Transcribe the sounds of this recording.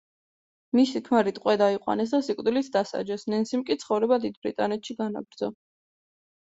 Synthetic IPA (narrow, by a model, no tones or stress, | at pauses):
misikʰmaɾit̪ʼqʼwɛd̪aiqʼwa̰nɛs̬d̪asikʼd̪ilit̪ʰd̪asa̰d͡ʒɛsnɛnsimkʼit̪sʰχɔvɾɛbad̪id̪bɾit̪ʼanɛt̪ʰʃiɡana̰bɾd̪zɔ